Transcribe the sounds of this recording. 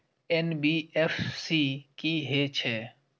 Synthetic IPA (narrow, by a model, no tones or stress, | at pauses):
enbiːefsiːkiːɦet͡ʃʰeː